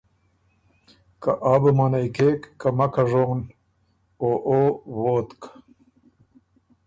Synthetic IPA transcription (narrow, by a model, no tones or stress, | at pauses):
kaʔaːbəmanajkeːkːamɐkaʐon | oʔowoːt̪k